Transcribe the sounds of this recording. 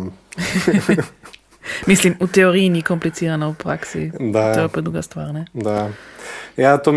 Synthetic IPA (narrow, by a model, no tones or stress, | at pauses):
mislimʔut̪ɛɔɾinikɔmplit͡siɾanaupɾaksḭd̪aɛpɛd̪uɡast̪vaːʁnɛd̪a | jat̪ɔm